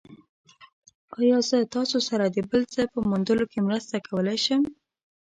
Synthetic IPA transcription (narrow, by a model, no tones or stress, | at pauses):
ɑjɑzət̪ɑsosaɾad̪əbəlzəpəmʊnd̪əlokemɾəst̪akʰawəlajʃəm